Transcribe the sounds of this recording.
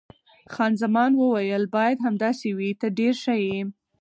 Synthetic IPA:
xɑnzamɑnwəwajəlbɑjad̪ɦamd̪ɑsewit̪əɖeɾʃaje

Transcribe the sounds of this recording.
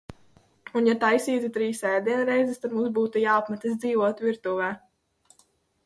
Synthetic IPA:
unjat̪ajsiːt̪ʲit̪ɾiːsɛjad̪iɛnɾɛjzɛst̪ad̪mũːmsbuːt̪ujaːapmat̪ɛsd̪ziːvɔt̪viɾt̪uvɛː

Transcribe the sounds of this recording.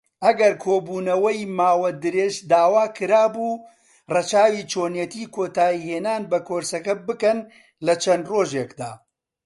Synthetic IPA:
ʔɐɡɐɾkʰoːbuːnɐwɐjmaːwɐd̪ɨɾeːʒd̪aːwaːkʰɨɾaːbuː | rɐt͡ʃaːwit͡ʃʰoːnjɛt̪iːkʰoːt̪aːiheːnaːnbɐkoːɾsɐkɐbɨkɐn | lɐt͡ʃʰɐnd̪roːʒeːkd̪a̰ː

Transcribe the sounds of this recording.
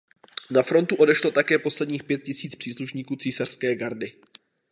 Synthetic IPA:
nafɾo̞nt̪uʔo̞dɛʃlo̞t̪akɛːpo̞slɛdɲiːxpjɛt̪̚cɪsiːt͡spr̥iːsluʃɲiːkuːt͡siːsar̥skɛːɡaɾdɪ

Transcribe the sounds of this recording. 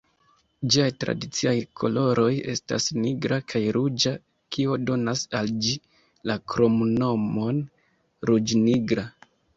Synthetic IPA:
d͡ʒiajtɾa̰dit͡siajkʰo̞̰lo̞ɾo̞je̞sta̰sniɡɾakʰajɾud͡ʒa | kʰio̞do̞nasald͡ʒi | lakɾo̞mno̞mo̞n | ɾud͡ʒniɡɾa

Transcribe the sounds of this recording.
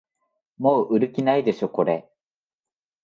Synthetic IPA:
mo̞ːʔɯ̟ɾɯ̟kʲinaid̪e̞ɕo̞ko̞ɾe̞

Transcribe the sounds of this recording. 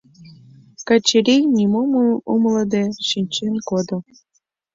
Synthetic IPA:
kɑt͡ɕeɾʲejnʲimomuumləd̪eʃinʲt͡ɕenkod̪ŏ

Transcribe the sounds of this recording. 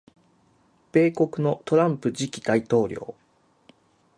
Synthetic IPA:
b̥e̞ːko̞kɯ̟no̞t̪o̞ɾãmpɯ̟d͡ʑikʲid̪ait̪o̞ːɾʲo̞̰ː

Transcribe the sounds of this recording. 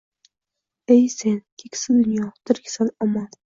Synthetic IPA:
ejsenkʲʰekʲsɪd̪ʊnjɒt̪ʰɪɾkʰʲsanɒmɒn

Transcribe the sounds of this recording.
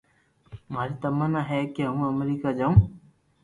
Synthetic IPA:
maɾit̪əmanaɦɛkiɦəũəmeɾikad͡ʒaw̃

